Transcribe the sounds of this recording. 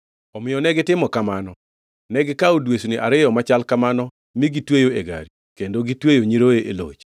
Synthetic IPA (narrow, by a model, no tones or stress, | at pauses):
ɔmɪjɔnɛɡɪtɪmɔkamanɔ | nɛɡɪkaudwesuniʔaɾɪjɔmat͡ʃalkamanɔ | miɡitwejoeɡa̰ɾi | kendoɡitwejoɲiɾoeʔelo̰t͡ʃ